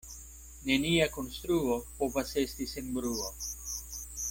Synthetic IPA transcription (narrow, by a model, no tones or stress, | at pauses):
ne̞niako̞nst̪ɾuo̞po̞vase̞st̪isenbɾuo